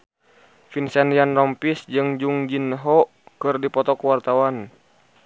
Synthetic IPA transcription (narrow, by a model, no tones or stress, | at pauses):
finsanianrɔmpisd͡ʒɨŋd͡ʒuŋd͡ʒinɦɔ | kɨrdipɔt̪ɔkuwart̪awan